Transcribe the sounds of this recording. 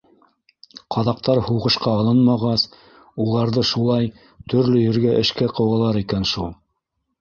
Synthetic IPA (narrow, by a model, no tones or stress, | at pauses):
qʰɑðɑq̚t̪ɑɾhuʁɤ̆ʃqɑːlˠɤnmɑʁɑs | ulˠɑɾðɤʃulˠɑj | t̪ɵ̆ɾlɵjɘ̆ɾɡæʔɘ̆ʃkæqɤ̆wɑlˠɑɾikænʃulˠ